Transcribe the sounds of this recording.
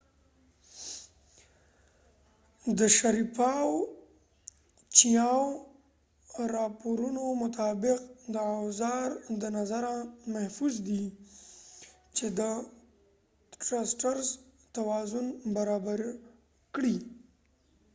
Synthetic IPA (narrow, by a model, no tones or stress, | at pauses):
d̪əʃaɾipɑw | t͡ʃijɑw | ɾɑpoɾunomʊt̪ɑbɪqd̪əawzɑɾd̪ənazaɾamahfuzd̪i | t͡ʃed̪ə | ʈɾasʈaɾz | t̪awɑzʊnbaɾɑbaɾ | kɽi